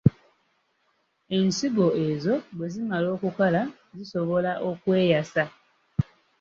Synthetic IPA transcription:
e̞nsiɡo̞e̞zo̞βwezimalo̞ːkukala | ziso̞βo̞laʔokwe̞ːjasa

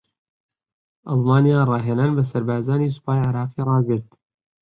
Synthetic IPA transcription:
ʔɑlˠmaːnijaːrˤɑːɦeːnaːnbɐs̬ɐɾbaːzaːniːsu̥paːjʕɪɾɑːqiːrˤɑːɡɨɾt̪

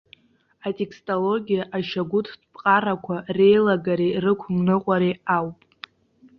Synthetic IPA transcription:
atʲʼe̞kʰstʼolo̞ɡʲijaʔaʃaɡʷʊtʰdpʼqʼaɾakʷʰare̞jlaɡaɾerɨkʷʰʊmnɨqʷʼaɾeawpʼ

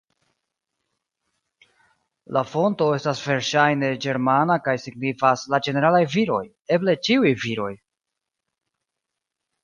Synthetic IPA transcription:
lafo̞nto̞e̞stasve̞ɾʃajne̞d͡ʒe̞ɾmanakajsiɡnifaslad͡ʒe̞ne̞ɾalajviɾo̞̰j | e̞ble̞t͡ʃiujviɾo̞j

